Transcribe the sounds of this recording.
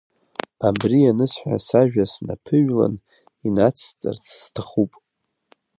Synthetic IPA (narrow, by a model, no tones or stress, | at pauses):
abrianɨsħʷa̰saʒᶣasna̰pʰɨɥla̰n | inat͡sʰt͡sʼɨ̰rt͡sʰstʰaχupʼ